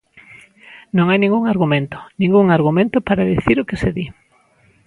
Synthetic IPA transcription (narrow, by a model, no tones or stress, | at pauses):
nõŋajnĩŋɡuŋaɾɣumẽnt̪ʊ̥nĩŋɡuŋaɾɣ̞umẽnt̪ʊpaɾaðiθiɾʊkɪseði